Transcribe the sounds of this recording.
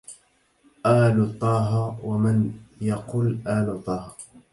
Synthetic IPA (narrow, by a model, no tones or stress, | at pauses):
ʔaːlʊt̪ˤːɑːɦɑwamanjɑqʊːlʔaːlʊt̪ˤːɑːhɑ